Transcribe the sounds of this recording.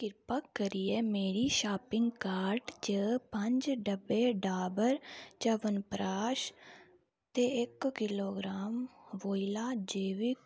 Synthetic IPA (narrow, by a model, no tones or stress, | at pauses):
kɪɾpakːəɾiːɛːmeːɾiːʃaːpɪ̃ŋɡkaːɾʈd͡ʒəpəɲd͡ʒɖəbeːɖaːbəɾt͡ʃaːʋənpɾaːʃ | t̪eːɪkkɪloːɡɾaːmʋoːilaːd͡ʒeːʋɪk